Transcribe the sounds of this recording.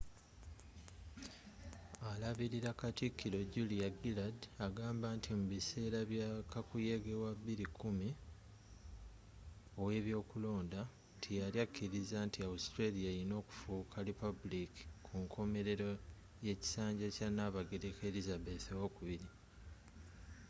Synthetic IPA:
alaβiɾiɾakatikːiɾo̞ɟulijaɡiladaɡaːmbantʰimuβise̞ːɾaβjakakujeɡewaβːiɾikʰːumi | o̞we̞ːβjo̞ːkulo̞ːnda | ntʰijaɾjakːiɾizantiawustɾelijaɾino̞ːku̥fukʰaɾipabuliki̥kʰuŋkʰo̞me̞ɾe̞ɾo | je̞ci̥saːɲɟecanaβaɡeɾekeɾizabe̞θewokuβiɾi

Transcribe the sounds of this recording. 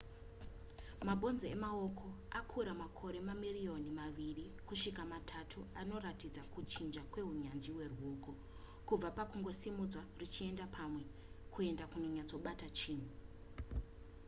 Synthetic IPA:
mabʱo̞nzeemaokʰo̞ | akʰuɾamakʰo̞ɾe̞mamirio̞nimaʋiri | kuʃikamatʰatʰuano̞ratid͡zakut͡ʃind͡ʒakwe̞ɦuɲand͡ʒiwe̞ruɦoko̞ | kub͡vapakuŋɡo̞simud͡zwarit͡ʃie̞ndapʰamwe̞ | kʰue̞ndakuno̞ɲat͡so̞ɓatat͡ʃiːn̤u

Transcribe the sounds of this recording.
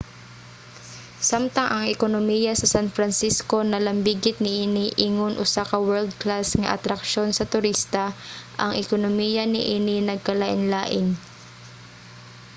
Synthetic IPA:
samt̪ɐŋʔɐŋɪkonomijɐsɐsanfɾɐnsisko̞nɐlɐmbiɡɪt̪̚nɪʔiːnɪʔiŋonʔʊsaːkɐwɛɹld̪̚klasŋɐ̰ʔɐ̰t̪ɾɐkʃo̞nsɐt̪ʊɾist̪ɐʔɐŋʔɪkonomijɐnɪʔiːnɪnɐɡ̚kɐlaʔɪnlaːʔɪn

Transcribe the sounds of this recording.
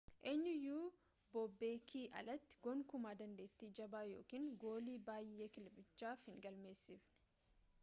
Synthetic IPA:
ʔeːɲːʊjuː | bɔbːe̞ːkʰiːʔɐ̰lɐt̪ːɪ̥ɡɔŋkʊmaːd̪ɐnd̪e̞ːt̪ːiːd͡ʒɐbaːjo̞̰ːkiːŋɡo̞ːliːbaːjːe̞ːkɪlbɪt͡ʃːaːfhɪŋɡɐlme̞ːsːɪfnɛ̥

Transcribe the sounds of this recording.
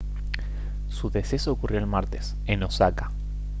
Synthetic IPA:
suðe̞se̞sookurjo̞elmaɾt̪e̞s | enosaka

